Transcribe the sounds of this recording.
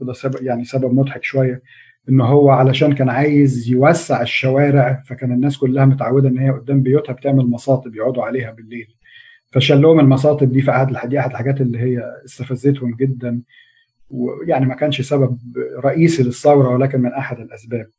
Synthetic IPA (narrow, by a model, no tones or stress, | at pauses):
d̪æsæbæjaʕnisæbæbmot̪ħekʃowæjːæ | ʔenːɦowːæʕalæʃæːnkæːnʕaːjezjewæsːeʕeʃːæwæːɾeʕfækæːnenːæːskolːæhæmot̪ʕawːed̪æʔenːhejːæʔod̪ːæːmbejoːt̪hæbet̪eʕmelmɑsˤɑːt̪ˤebjeʕuːd̪uʕaleːhæbelːeːl | fæʃælːohomelmɑs̬ɑːt̪ˤeb̚d̪iːfiʔaħad̪elħad̪iʔaħad̪elħaɡæːt̪ʔelːiːɦejːæest̪æfæzːet̪homɡed̪ːæn | wḛjaʕnimækæːnʃsæbæb̚ɾˤɑʔiːsilesˤːɑwɾˤɑwelæːk̬enmenʔaħad̪elʔæsbæːb̚